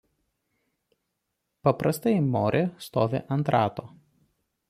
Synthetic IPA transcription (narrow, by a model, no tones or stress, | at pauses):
pɐpɾɐst̪ɐɪmoːɾʲʔeːst̪oːʋʲḛʔɐnˑt̪ɾɑːt̪oː